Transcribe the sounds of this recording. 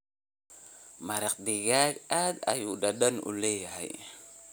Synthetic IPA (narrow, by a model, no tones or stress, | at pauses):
maɾak̚diɡakada̰judadanṵleaḭ